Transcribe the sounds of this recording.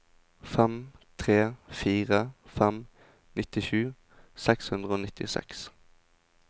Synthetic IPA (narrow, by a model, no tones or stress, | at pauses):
fɛmt̪ʰʁeːfiːʁəfɛm | nɪt̪ɪʃʉː | sɛkshʉnd̪ʁəoːnɪt̪ɪ̰sɛ̰ks